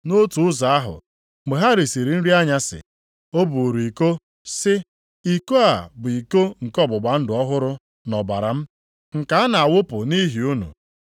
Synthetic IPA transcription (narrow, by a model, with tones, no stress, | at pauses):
no˦tu˨ʊ˦za˨a˦ɦʊ̰˨ | ɡ͡be˨ɦa˦ɾi˨si˨ɾi˨n̩˦ɾi˦a˦ɲa˦sɪ̰˨ | o˦bu˨ɾi˨ko˦ | sɪ˦ | i˨ko˦a˨bʊ˨i˨ko˦ŋ̩˨kɔ˦˨bʊ˨ɡ͡ba˨n̩˦dʊ˨˦ɔ˦ɦʊ˦ɾʊ˦ | nɔ˨ba̰˨ɾa̰˨m̩˦ | ŋ̩˨ka˦a˦na˨a˨wʊ˦pʊ˨ni˦ɦi˨u˦nṵ˨